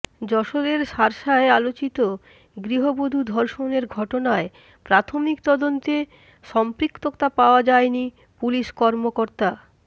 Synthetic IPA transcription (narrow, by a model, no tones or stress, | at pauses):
d͡ʑɔʃoɾeɾʃaɾʃaealot͡ɕit̪o | ɡɾiɦobod̪ʱud̪ʱɔɾʃoneɾɡʱɔʈonae | pɾat̪ʰomikt̪ɔd̪ont̪e | ʃɔmpɾikt̪okt̪apaoad͡ʑaeni | puliʃkɔɾmokoɾt̪a